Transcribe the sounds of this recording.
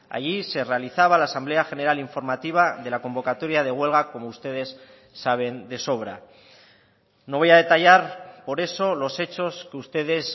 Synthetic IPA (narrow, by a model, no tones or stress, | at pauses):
a̰ʝise̞re̞aliθaβ̞alaːsamble̞axe̞ne̞ɾaliɱfo̞ɾmat̪iβ̞aðe̞lako̞mbo̞kat̪o̞ɾjaðe̞ɣ̞we̞lɣako̞moust̪e̞ðe̞sː | aβ̞e̞nd̪e̞so̞β̞ɾa̰ | no̞βo̞jaðe̞t̪aʝaɾpo̞ɾe̞so̞lo̞se̞t͡ʃo̞skeust̪e̞ð̞e̞s